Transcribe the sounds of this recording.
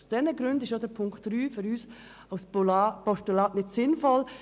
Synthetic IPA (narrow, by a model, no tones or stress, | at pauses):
sd̥ɛnəɡɾʏndɪʃjodəɾpʰʊŋktːɾyːfʏɾyːs | aʊspɔʃtylɑːtnɪtsɪnfɔl